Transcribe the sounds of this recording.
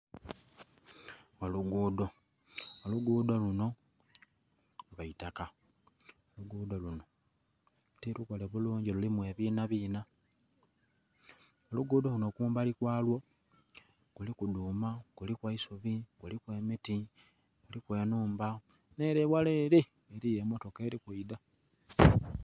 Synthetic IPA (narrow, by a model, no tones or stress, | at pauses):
oluɡuːdo̞ | oluɡuːdo̞luno̞ | βaitaka | oluɡuːdo̞luno̞ | utilukoleβuluːɲɟelulimwe̞ːβiːnaβiːna | oluɡuːdoluno̞kuːmbalikwaːlwo̞ | kulikuduːmakulikwaisuβikulikwe̞ːmiti | kulikweːnuːmba | ne̞ːɾewaleːɾe | eɾijemo̞to̞keːɾikuida